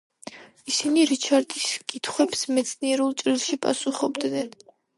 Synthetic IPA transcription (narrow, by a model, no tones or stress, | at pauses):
isiniɾit͡ʃʰaɾd̪ʼiskʼit̪ʰχwɛpsmɛt̪sʰniɛɾulˠt͡ʃʼɾilˠʃipʼa̰suχɔbd̪nɛn